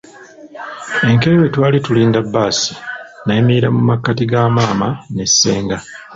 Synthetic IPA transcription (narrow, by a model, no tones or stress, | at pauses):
e̞ŋke̞ewe̞twaːlituliːndabːaːsi̥naemiiɾamumakːatiɡaːmaːmane̞sːe̞ːŋɡa